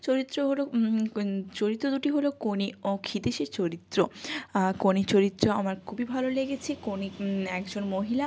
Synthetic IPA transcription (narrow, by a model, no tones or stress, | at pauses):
t͡ɕoɾit̪ːɾoɦolo | t͡ɕoɾit̪ːɾod̪uʈiɦolokoniokʰid̪eʃet͡ɕoɾit̪ːɾokonit͡ɕoɾit̪ːɾoamaɾkʰubibʱaloleɡet͡ɕʰekoniɛkd͡ʑonmoɦila